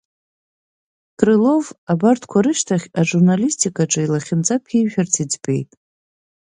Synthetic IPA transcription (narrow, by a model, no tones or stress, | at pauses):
kʼrɨlo̞vabartʰkʷʰaɾɨʃtʰaχʲaʐurnalistʰikʼaʈ͡ʂʼɨilaχʲɪnt͡sʼapʰiʒᶣartʰid͡zpʼe̞̰jtʼ